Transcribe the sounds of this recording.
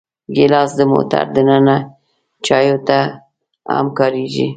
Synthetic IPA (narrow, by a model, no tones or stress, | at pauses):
ɡɪlɑsd̪əmo̰t̪a̰ɾd̪ənəna | t͡ʃɑjot̪a | a̰mkɑɾiʒḭ